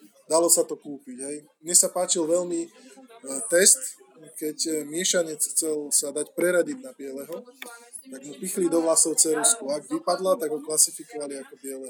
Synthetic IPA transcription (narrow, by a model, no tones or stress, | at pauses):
d̪alɔsat̪ɔkuːpiɟɦɛj | mɲɛsapaːt͡ʃilʋɛlmi | t̪ɛst̪kɛcmɪɛʃaɲɛt͡sxt͡sɛlsad̪acpɾɛɾaɟid̪̚napɪɛlɛɦɔ | t̪aɡmupixlid̪ɔɦlasɔʊt͡sɛɾuskuaɡʋipad̪lat̪aɡɦɔklasifikɔʋaliakɔpɪɛlɛɦ